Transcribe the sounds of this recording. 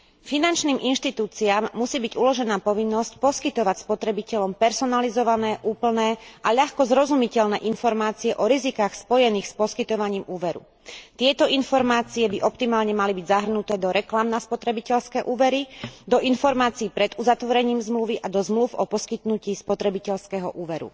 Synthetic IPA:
finant͡ʃniːmʔinʃt̪it̪uːt͡siaːmːusiːbiɟulɔʒɛnaːpɔʋinːɔscpɔskit̪ɔʋacspɔt̪ɾɛbicɛʎɔmpɛɾsɔnalizɔʋanɛːʔuːpl̩nɛːʔaʎaxkɔzɾɔzumicɛʎnɛ̰ːʔinfɔɾmaːt͡siɛʔɔɾizikaːxspɔjɛniːxspɔskit̪ɔʋaɲiːmuːʋɛɾṵ | t̪ɪɛt̪ɔinfɔɾmaːt͡siɛbiʔɔpt̪imaːlɲɛmalibiɟzaɦr̩nut̪ɛːd̪ɔɾɛklamnaspɔt̪ɾɛbicɛʎskɛːʔuːʋɛɾid̪ɔʔinfɔɾmaːt͡siːpɾɛd̪uzat̪ʋɔɾɛɲiːmzmluʋiʔad̪ɔzmlufɔpɔskit̪nuciːspɔt̪ɾɛbicɛʎskɛɦɔ̰ʔuːʋɛɾṵ

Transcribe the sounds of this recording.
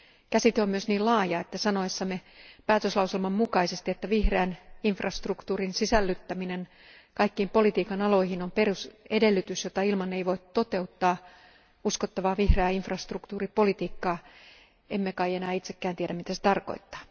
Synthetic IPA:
kæsit̪eommyøsniːlɑːjɑet̪ːæsɑnoesːɑmepæːt̪øslɑuselmɑmmukɑisest̪iet̪ːæʋihreæniɱfrɑst̪rukt̪uːrinsisælːyt̪ːæminen | kɑikːiːmpo̞lit̪iːkɑnɑlo̞ihinomperusedelːyt̪ysjot̪ɑilmɑnːeiʋoit̪t̪ot̪e̞ut̪ːɑː | uskot̪ːɑʋɑːʋihreæːiɱfrɑst̪rukt̪uːripolit̪iːkːɑː | emːekɑienæːit̪sekːæːnt̪ieɾæmit̪æse̥t̪ɑrko̞̰it̪ːɑ̥ː

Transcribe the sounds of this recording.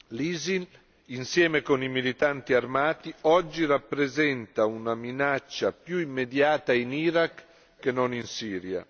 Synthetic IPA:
liːzin | insjɛːmekonimilit̪ant̪iarmaːt̪iɔd͡ʒːirapːɾezɛnt̪aunaminat͡ʃːapjuimːed̪jaːt̪ainiɾakː | enoninsiːɾja̰

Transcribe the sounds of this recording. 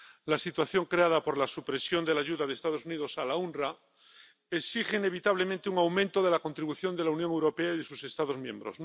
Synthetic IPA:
lasit̪waθjo̞ŋkɾeað̞apo̞ɾlasupɾe̞sjo̞nd̪e̞laʝuðaðeːst̪að̞o̞suniðo̞salaunra | eksixe̞ine̞β̞it̪aβ̞le̞mẽnt̪euŋawmẽnt̪oð̞e̞lako̞nt̪ɾiβuθjo̞nd̪e̞launjoŋe̞wɾo̞peaiðe̞suse̞st̪aðo̞zmjẽmbɾo̰s

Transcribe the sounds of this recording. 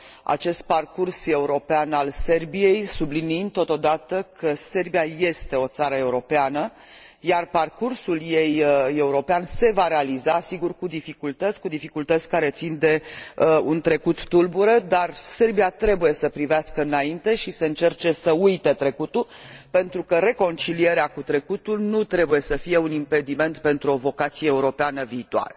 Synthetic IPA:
a̰t͡ʃe̞st̪̚parkurse̞uɾo̞peanalse̞rbije̞jsubliniind̪̚t̪o̞t̪o̞d̪at̪əkʰəse̞rbijaje̞st̪e̞o̞t̪saɾəe̞uɾo̞peanə | jarparkursuljeje̞uɾo̞peanse̞vaɾealizasiɡurkud̪ifikult̪ət̪sʲkud̪ifikult̪ət̪sʲkaɾe̞t̪sind̪e̞unt̪ɾe̞kut̪ːulbuɾəd̪arse̞rbiat̪ɾe̞buje̞səpɾiveaskəɨnaint̪e̞ʃiseɨnt͡ʃe̞rt͡ʃe̞səujt̪et̪ɾe̞kut̪ulpe̞nt̪ɾukəɾe̞ko̞nt͡ʃilie̞ɾeakut̪ɾe̞kut̪ulnut̪ɾe̞buje̞səfije̞unimpe̞d̪ime̞nt̪pe̞nt̪ɾuo̞vo̞kat̪sijeːuɾo̞peanəviːt̪ua̰ɾə

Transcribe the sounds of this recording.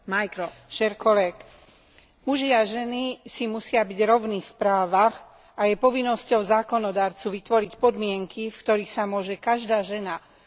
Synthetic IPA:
majkɾɔʃɛɾkɔlɛk | muʒiaʒɛnisimusɪabiɟɾɔʊnifpɾaːʋaɣ | ajɛpɔʋinːɔscɔʊzaːkɔnɔd̪aːɾt͡suʋit̪ʋɔɾicpɔd̪mɪɛŋkʰifkt̪ɔɾiːxsamʊɔʒɛkaʒd̪aːʒɛna

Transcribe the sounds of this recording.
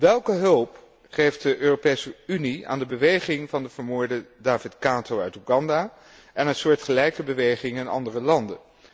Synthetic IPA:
ʋɛlˠkəɦɵlˠp | χejft̚dəʔøːropejsəynia̰ːndəbəʋejχɪŋvɑndəv̥əɹmoːɹdədaːvɪtkaːtowœɥtuɡɑnda | ɛnənsʊːɹtχəlɛjkəbəʋejχɪŋɪnɑ̰ndərəlɑndən

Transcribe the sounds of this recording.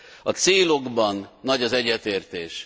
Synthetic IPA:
ɒt̪seːlo̞ɡbɒnːɒɟɒzɛɟːɛt̪eːrt̪eːʃ

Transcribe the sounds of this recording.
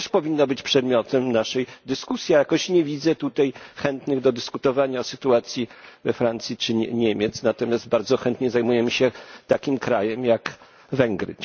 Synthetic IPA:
ɛʂpɔvʲinːɔbɘt͡ɕpʂɛd̪mʲjɔt̪ɛmnaʂɛjd̪ɘskusʲjiajakɔɕɲɛvʲid̪zɛt̪ut̪ajxɛnt̪nɘɣd̪ɔd̪ɘskut̪ɔvaɲaɔsɘt̪uat̪sʲjivɛfɾant̪sʲjit͡ʂɘɲɛmʲjɛt̪snat̪ɔmʲjasd̪̚baɾd̪zɔxɛnt̪ɲɛzajmujɛmɘɕɛt̪akʲimkɾajɛmjak | vɛŋɡɾɘ̰

